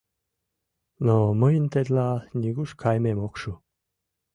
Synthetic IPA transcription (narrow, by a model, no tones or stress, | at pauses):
noməjnt̪ed̪lɑnʲiɡuʃkʰɑjmemokʃu